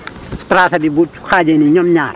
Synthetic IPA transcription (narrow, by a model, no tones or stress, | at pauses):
stɾaːsɐbibu̥xaːd͡ʒeniɲɔmɲaːr